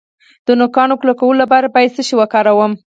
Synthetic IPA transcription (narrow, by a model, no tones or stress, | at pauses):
d̪̥ənʊkɑnoklokawəlolapɑɾabɑjsəʃiwakɑɾawəm